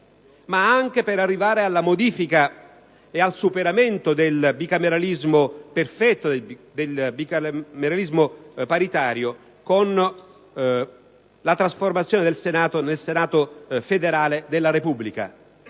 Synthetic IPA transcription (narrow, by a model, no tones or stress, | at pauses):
maaŋk̟epeɾarːivaːɾealːamod̪iːfika | ealsupeɾament̪od̪elbikameɾalizmoperfɛt̪ːod̪d̪elbimeɾalizmopaɾit̪aːɾjo | kon | lat̪ɾasformat̪sːjoːned̪elsenaːt̪onelsenaːt̪ofed̪eɾaːled̪elːaɾepubːlika̰